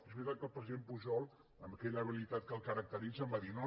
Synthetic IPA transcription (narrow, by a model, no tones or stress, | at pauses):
ezβit̪at̪̚kəlˠpɾəziðempuʒɔlˠ | əmbəkɛʎəːβilit̪at̪̚kəlˠkəɾək̚t̪əɾid͡zəmbaðino